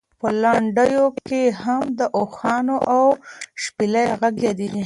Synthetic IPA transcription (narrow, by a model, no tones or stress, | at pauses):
pəlaɳɖəjokehamd̪əʔoxɑnoʔawʃpilajɣaɡjad̪i